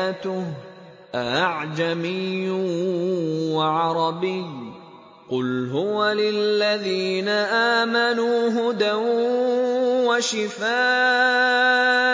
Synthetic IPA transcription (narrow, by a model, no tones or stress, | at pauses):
t̪ʊh | ʔaʔaʕd͡ʒamɪjːʊ | waʕɑɾˤɑbɪj | qʊlɦʊwalɪlːaðiːnaʔaːmanuːɦʊd̪aw | waʃɪfaː